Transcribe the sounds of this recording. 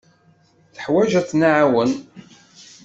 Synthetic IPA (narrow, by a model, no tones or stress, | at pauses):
θə̥ħwæʒæθnaʕawən